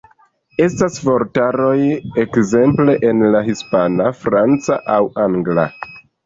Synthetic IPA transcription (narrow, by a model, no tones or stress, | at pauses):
e̞stasvo̞ɾtaɾo̞je̞kze̞mple̞ʔenlaɦispanafɾant͡saʔawaŋɡla̰